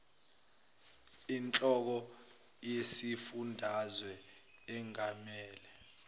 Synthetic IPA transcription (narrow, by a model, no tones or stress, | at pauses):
int͡ɬʼɔk̬ɔ | jesifundʱazwɛ | ɛŋamɛːlɛ